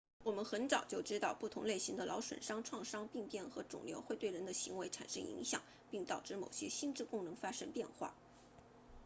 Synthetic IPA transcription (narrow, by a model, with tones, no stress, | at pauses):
wɔ˨˩mə˦nxə˧˥nt͡sɑ˨˩ʊt͡ɕjo˥˩ʊʈ͡ʂɻ̩˥t̪ɑ˥˧ʊpu˥˩t̪ʰʊ˧˥ŋle˥˩ɪɕi˧˥ŋd̪ə˧lʔɑ˧˥ʊʂwə̰˨˩nʂɑ˥ŋʈ͡ʂʰwɑ˥˩ŋʂɑ˥ŋpi˥˧ŋpjɛ˥˩nxɤ˧˥ʈ͡ʂʊ̰˨˩ŋljo˧˥ʊxwe˥˧ɪt̪we˥˩ɪɻə˧˥nd̪ə˧ɕi˧˥ŋwe˧˥ɪʈ͡ʂʰa̰˨˩nʂɤ̰˥ŋḭ˧˥ŋɕjɑ̰˨˩ŋ | pi˥˩ŋt̪ɑ˨˩ʊʈ͡ʂɻ̩˥˩mo˨˩ʊɕjɛ˥ɕi˥˧nʈ͡ʂɻ̩˥˩kʊ˥˩ŋnɤ˧˥ŋfa˥ʂɤ˥ŋpjɛ˥˧nxwa̰˥˩